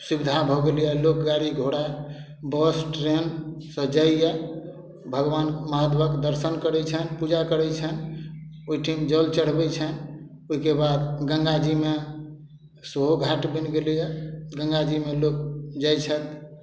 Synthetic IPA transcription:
subid̪ʱabʱɔɡelijɛlok̚ɡaɾiɡʱoɽa | bəsʈɾensəd͡ʒaiɛ | bʱəɡwanmaɦd̪bəkd̪əɾsənkəɾɛt͡ʃʰənpud͡ʒakəɾɛt͡ʃʰən | oiʈʰimd͡ʒəlt͡ʃəɽ̤bɛt͡ʃʰən | oikebad̪ɡə̃ŋɡad͡ʒime | səɦoɡʱaʈbənɡelijɛɡə̃ŋɡad͡ʒimelok̚d͡ʒajt͡ʃʰət̪

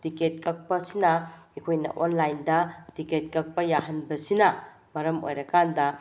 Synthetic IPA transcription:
d̥iket̚kɐk̚pɐsinɐekʰojnɐ̰ʔonlajndɐdiket̚kɐk̚pɐjaɦɐnbɐsinɐ | mɐɾɐmo̰jɾɐkandɐ

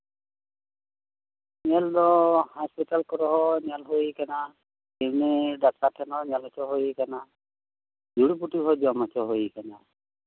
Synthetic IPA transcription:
naldɔhaspiʈalkɔɾɔɦɔnalɦojkana | eniɖak̚taʈʰɛnɔnalɔt͡ʃɔɦoikana | d͡ʒuɽip̬uʈiɦɔd͡ʒɔmat͡ʃɔɦojikana

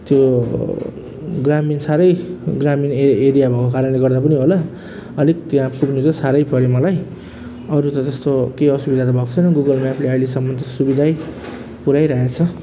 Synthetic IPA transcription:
t̪jo | ɡraminsaɾʌjɡramineeɾijabʱʌkokaɾʌnleɡʌrd̪apʌniɦola | ʌlikt̪jãkubnut͡s̪ʌsaɾʌjpʰʌɾemʌlaj | ʌɾut̪ʌd͡zʌst̪okeʌsubid̪ʱat̪ʌbʱʌko̥t͡sʰʌjnʌɡuɡʌlmjapleʌjlesʌmːʌnd̪ʱʌsubid̪ʱaj | puɾajɾaɦet͡sʰʌ

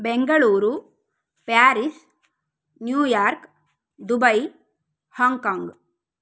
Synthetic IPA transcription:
beŋɡɐɭuːɾu | paːɾis | njuːjaːɾk | d̪ubɐj | haŋɡkaːŋɡ

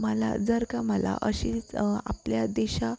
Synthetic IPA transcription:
məla̰d͡zəɾkaməla̰ʔəɕiapljad̪eɕa

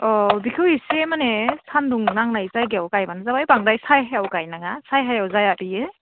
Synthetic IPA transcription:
ɔbikʰɯwisemanesʰanduŋnaŋnajzajɡeawkajbanzabajbaŋdajsajɦajawkajnaŋasajɦajawzajabiɯ

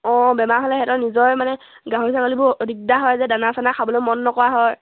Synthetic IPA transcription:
ɔ̃bɛmaɦɔlɛxɛtɔɹnizɔjmanɛ | ɡaɦoɹisakolibʊodʱik̚daɦɔjzɛdanasanakʰabɔlojmɔnːɔkɔɹaɦɔj

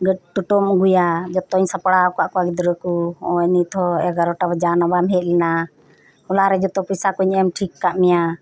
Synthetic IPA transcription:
ɡəʈuʈɔmɡujad͡ʒɔt̪ɔɲsəpɽaɔkaʔkɔaɡid̪ɾəkuɔɛnit̪ʰɔɛɡaɾɔʈabɛd͡ʒanabamɛt̪̚lɛna | ɔlaɾɛd͡ʒɔt̪ɔpisakuɲɛmʈʰikːaʔmɛja

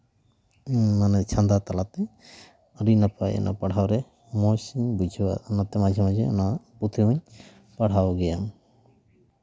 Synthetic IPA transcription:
manɛt͡ʃʰand̪at̪alat̪ɛ | ɔɾinapajɛ̰nʔa̰paɽ̤ʱawɾɛ | mɔsiɲbud͡ʒʱa̰ɔnat̪ɛmad͡ʒʱjamad͡ʒɛɔnaput̪ʰiuɲ | paɽ̤awɡɛjam

